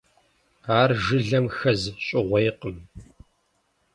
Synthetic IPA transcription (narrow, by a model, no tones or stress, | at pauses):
aːrʒɨɮɐmxɐzɕʼɪʁʷɐjqəm